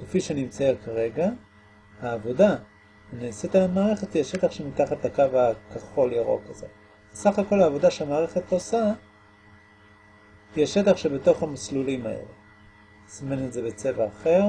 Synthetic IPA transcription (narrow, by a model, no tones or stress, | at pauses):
kefiʃenimt͡sajakaʁe̞ɡa | haːvo̞da | neːset̪amaːʁe̞χetjɛʃe̞t̪aχʃemitaχat̪lakavakaχo̞ljaʁo̞̰kazo̞̰ | besaχako̞laːvo̞daʃeamaːʁe̞χetosa | jɛʃe̞t̪aχʃebe̞to̞χhamaslulimaḛlḛ | simenetzebe̞t͡se̞vaːχeʁ